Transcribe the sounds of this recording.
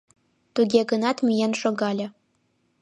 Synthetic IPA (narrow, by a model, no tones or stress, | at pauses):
t̪uɡʲeɡɤ̆nɑt̪mʲijenʃŏɡɑlʲɤ̆